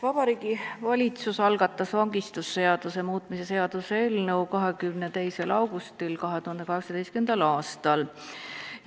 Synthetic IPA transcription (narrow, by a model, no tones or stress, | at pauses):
vɑb̥ɑɾiːɡ̥ivɑlʲit̪susɑlɡɑt̪ˑːɑsvɑŋɡist̪usːe̞ɑd̪̥use̞muːt̪ˑmise̞se̞ɑd̪̥uselnewkɑɦe̞kymnet̪e̞jse̞lɑwɡ̥ust̪ilkɑɦe̞t̪uhɑnd̪̥e̞kɑɦeksɑd̪ejstkend̪̥ɑlɑːst̪ɑl